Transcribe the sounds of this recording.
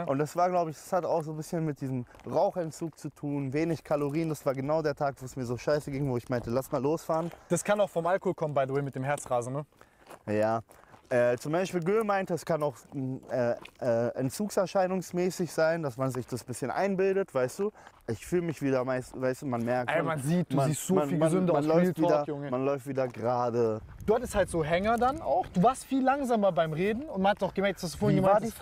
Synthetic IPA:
ʔʊntd̥asv̥aːɐɡlaʊbəɪçd̥ḁshata̰ʊxz̥oːbɪsçənmɪt̚d̥iːzəm | ʁaʊxɛntt͡suːk̚t͡sutʰuːnveːnɪçkʰaloʁiːndasv̥aːɐɡənaʊdeːɐtʰaːkv̥oːɛsmiːɐzoːʃaɪsəɡɪŋvoːɪçmaɪntəlasmaːlːoːsfaːʁənd̥askʰanaʊxfɔmʔalkohoːlkʰɔmənbaɪðəwɛɪmɪtd̥eːmɦɛɐt͡sʁaːzn̩nə | jaːʔɛːt͡sʊmbaɪʃpiːlɡøːmaɪntəɛskʰanaʊxʔɛːʔɛːʔɛ̰ntt͡suːksɛɐʃaɪnʊŋsmɛːsɪçz̥aɪndasmanzɪçd̥asb̥ɪsçənʔa̰ɪnbɪldətv̥aɪstd̥uːʔɪçfyːləmɪçv̥iːdɐmaɪsvaɪstuːmanmɛɐkʔamanziːt̚d̥umziːstz̥oːmaniːmzʏntmanlɔʏftvdɐʊŋmanlɔʏftv̥iːdɐɡʁaːdə | d̥uːhatɪsthaltz̥oːɦɛŋɐdana̰ʊxd̥uːvaːɐstfiːlːaŋzaːmɐbaɪmʁeːdn̩ʊntmanhatəsaʊɡəmɛɐk̚d̥ashasd̥uːfoːɪnjɪma

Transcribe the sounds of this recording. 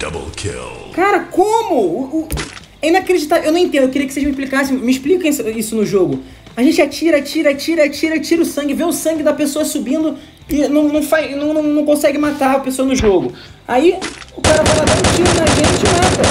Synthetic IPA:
d̪̥ɐ̰blˠkʰɪ̰l | kaɾɐkõmʊ | ɛĩakɾed͡ʒit̪aewnɐ̃ẽt̪ẽnʊkɪiɾiɐkɪ̥sejʒmɪiʃplikasẽj̃mɪiʃplikɐ̃sisʊnʊʒoɡʊ | aʒẽnt͡ʃɪat͡ʃiɾɐat͡ʃiɾɐt͡ʃiɾɐat͡ʃiɾɐt͡ʃiɾɐʊsɐ̃ŋɡɪvẽʊsɐ̃ŋɡɪd̪ɐpesoɐsubĩnd̪ʊ | ɪnɐ̃w̃nɐ̃w̃faznɐ̃w̃nɐ̃w̃nɐ̃w̃kõsɛɡɪmat̪aɾɐpesoɐnʊʒoɡʊ | aiʊkaɾɐvalɐvɐ̃t͡ʃiɾʊnɐʒẽt͡ʃɪmat̪ɐ

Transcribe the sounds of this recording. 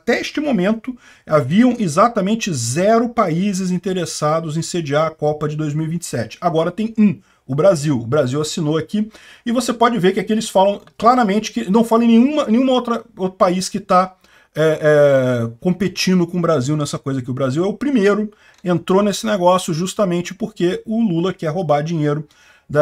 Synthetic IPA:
at̪ɛeʃt͡ʃɪmomẽnt̪ʊ | aviɐ̃w̃ɪzat̪ɐmẽnt͡ʃɪzɛɾʊpaizɪzĩt̪eɾesad̪ʊzẽj̃sed͡ʒɪaːkɔpɐd͡ʒɪd̪ojzmiwivĩnt͡ʃɪ̥sɛt͡ʃɪ̥aɡɔɾɐt̪ẽj̃ũ | ʊbɾaziwʊbɾaziwasinoaki | ɪvosepɔd͡ʒɪveɾkɪakelɪsfalɐ̃w̃klaɾɐmẽnt͡ʃɪ̥kɪnɐ̃w̃falẽj̃nẽj̃ũmɐnẽj̃ũmɐowt̪ɾɐowt̪ɾʊpaiskɪt̪a | ɛʔɛkõmpet͡ʃĩnd̪ʊkõʊbɾaziwnɛsɐkojzɐkɪʊbɾaziwɛʊpɾimejɾʊ | ẽnt̪ɾonesɪneɡɔsjʊʒust̪ɐmẽnt͡ʃɪpoɾkeʊlulɐkɛɦobaɾd͡ʒĩɲejɾʊ | d̪ɐ

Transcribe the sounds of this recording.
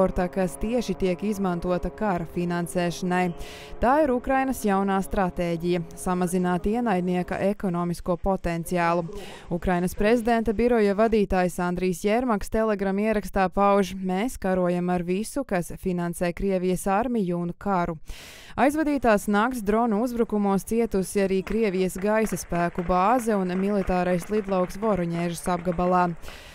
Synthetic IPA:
ɔɾt̪akast̪iɛʃit̪iɛkizmant̪uɔt̪ɐkaɾɐfinansɛːʃɐnaj | t̪aːiɾukɾajnɐsjawnaːst̪ɾat̪eːɟijɐsamazinaːt̪iɛnajd̪niɛka̰ʔekɔnɔːmiskuɔpɔt̪ɛnt̪sijaːlˠu | ukɾajnɐspɾezid̪ɛnt̪ɐbiɾɔjavad̪iːt̪aːjsand̪ɾijsjɛɾmakst̪ɛlˠɛɡɾamiɛɾakst̪aːpawʒmeːskaɾuɔjamaɾvisukasfinansɛːkɾiɛvijɐsaɾmijunkaɾu | ajzvad̪iːt̪aːsnak̚t̪sd̪ɾɔnuuzbɾukumuɔst̪siɛt̪usiaɾiːkɾiɛvijɐsɡajsɐspæːkubaːzɛunmilˠit̪aːɾajslˠid̪lˠawksvɔɾɔɲɛːʒusabɡabalˠɑː

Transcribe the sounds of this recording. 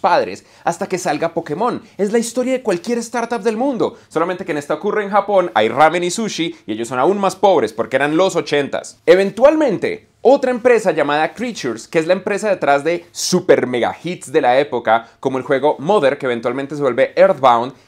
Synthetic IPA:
paðɾe̞̰s | ast̪ake̞salɡapo̞ke̞mo̞ne̞zlaist̪o̞ɾjaðe̞kwalkje̞ɾe̞st̪aɾt̪ap̚d̪e̞lmũnd̪o̞so̞lament̪ekjene̞st̪aokureːnxapo̞na̰jramenisuʃiieʝosːo̞naunmaspo̞βɾe̞spo̞ɾkeeɾanlo̞so̞t͡ʃe̞nt̪a̰seβẽ̞nt̪walmẽ̞nt̪e̞̰ | o̞t̪ɾae̞mpɾe̞saʝamaðakɾit͡ʃuɾskeezlaempɾe̞saðe̞t̪ɾazd̪e̞supe̞ɾme̞ɣa̰xit̪sd̪e̞lae̞po̞kako̞mo̞e̞lxwe̞ɣo̞mo̞ðe̞ɾkeeβ̞ent̪walment̪es̬ewelbe̞ʔeɾd̪bawnd̪

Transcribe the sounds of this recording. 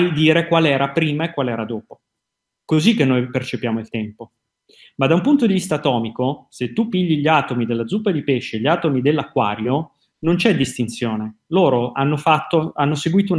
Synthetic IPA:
jd̪iːɾekwaːlɛːɾapɾiːmaekːwaːlɛːɾad̪oːpo | kozikːenːoːjpert͡ʃepjaːmoilt̪ɛmpo | mad̪ːaumpunt̪od̪ivist̪aːt̪ɔːmikoset̪ːupːiʎːiʎaːt̪omid̪elːad̪zupːad̪ipeʃːeʎːaːt̪omid̪elːakːwa̰ːɾjo | nont͡ʃɛd̪ːist̪int̪sjoːneloːɾoanːofat̪ːoanːoseɡwiːt̪oun

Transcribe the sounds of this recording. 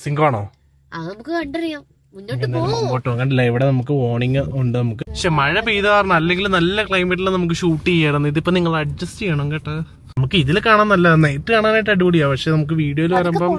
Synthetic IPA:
siŋɡʋaːɳoː | ɐðɨnɐmukːɨkɐɳɖɐrijaːm | unːoːnːɐɐmɐkoʈːɨʋɐŋɡaːɳɖlːɐiʋiɽenɐmukːɨo̞ːɳiŋɡɨuɳɖɨnɐmukːɨʂemɐɻɐpiːðɐkaːrɐɳɐmɐlːe̞ŋɡilumnɐlːɐkɭɐjmɐʈːilnɐmuk̬ːɨɕuːʈːiejaːjiɾunːuiðipːɐniŋːɐɭɐɖ̚d͡ʑɐstt͡ɕejːaːɳɐŋɡɐʈːɨ | nɐmukːɨiðilkaːɳaːnːɐlːɐnejʈːɨkaːɳaːnajʈːɐɽikoɽijaːpɐʂenɐmuk̬ːɨʋiːɽijo̞ːilɨʋɐɾeːmboː

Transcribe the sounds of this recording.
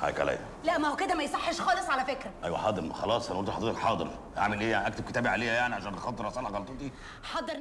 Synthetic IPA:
ha̰jka̰læ̰jælæʔmæhoked̪æmæjsˤɑħːeʃxɑːlesˤʕalæfekɾæʔæ̰jwæ̰ħɑːd̪ˤeɾmxɑlɑːsˤʔænʔolt̪ilħɑd̪ˤiːt̪eħɑːd̪ˤɨɾ | ʔa̰ʕmelʔeːjaʕnʔækt̪eb̚ket̪æːbiʕalejhæjaʕniʕaʃæːnʔɑxɑt̪ˤːeɾɑsˤɑlɑɣɑlt̪ˤot̪i | ħɑd̪ˤːɑɾˤ

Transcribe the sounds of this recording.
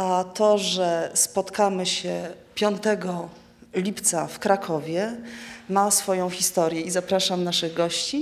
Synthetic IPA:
at̪ɔʐɛspɔt̪kamɘɕɛpʲjɔnt̪ɛɡɔ | lʲipt̪safkɾakʰɔvʲjɛmasfɔjɔ̃w̃xʲist̪ɔɾʲjɛizapɾaʂamnaʂɘɣɡɔɕt͡ɕi

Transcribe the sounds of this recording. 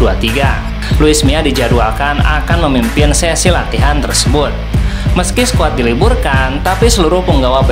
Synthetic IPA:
uat̪iɡa | luɪsmiadid͡ʒadualkana̰kanməmimpɪnsɛsilat̪iɦant̪ərsəbʊt̪̚məskisə̥kuat̪̚diliburkant̪apisəluɾʊhpəŋɡawab

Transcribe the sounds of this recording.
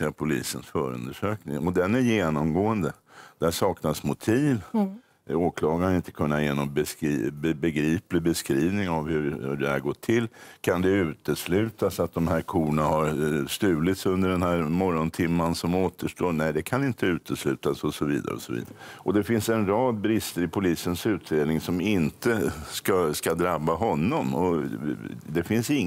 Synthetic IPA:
apʰʊlḭːsənsfœːɾɵ̰nd̪əʂøːknɪŋɔd̪ɛnæɾjeːnɔmɡoːənd̪ə | d̪̥æʂɑːknasmʊt̪ʰiːv | oːkʰlɑːɡanɪnt̪ə̥kʰɵnːajeːnɔmbɛsbbɛɡɾiːplɪbɛskɾiːvnɪŋavhɵɾhɵɖɛhæɾɡɔʈʰːɪlːkʰand̪ɛʉ̟ːt̪əslʉ̟ːt̪asat̪̚d̪ɔmhæɾkʰuːɳahaɾst̪ʉ̟ːlɪt̪sɵnd̪əɖɛnhæːɾmɔɾɔnt̪ʰɪmːansɔmoːt̪əʂʈoːnɛɪd̪ɛkʰanɪnt̪ʰəʉ̟ːt̪əslʉ̟ːt̪asɔsɔvḭːd̪a̰ɾə̰ɔ̰sɔ̰vḭːd̪aɾəʔɔd̪ɛfɪnsɛnɾɑːd̪̚bɾɪst̪əɾɪpʰʊliːsənsʉ̟ːt̪̚d̪eːd̪nɪŋsɔmɪnt̪əskaskad̪ɾabːaɦɔnːɔmɔ | d̪ɛfɪnsɪŋː

